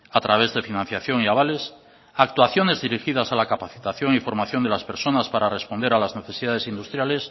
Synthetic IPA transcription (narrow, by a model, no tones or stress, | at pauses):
at̪ɾaβ̞e̞zðe̞finãn̟θjaθjo̞ŋiaβ̞ale̞s | ak̚t̪waθjo̞ne̞zðiɾixið̞asalakapaθi̥t̪aθjo̞ŋifo̞ɾmaθjo̞nd̪e̞laspe̞ɾso̞naspaɾare̞spo̞nd̪e̞ɾalazne̞θe̞siðaðe̞sind̪ust̪ɾjale̞s